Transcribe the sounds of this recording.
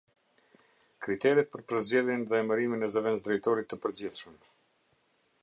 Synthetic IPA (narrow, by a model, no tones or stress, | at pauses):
kɾit̪ɛɾit̪̚pəɾpəɾzd͡ʑɛðjɛnðɛɛməɾiminɛzəvɛnt͡sd̪ɾɛjt̪ɔɾit̪ːəpəɾd͡ʑiθʃəm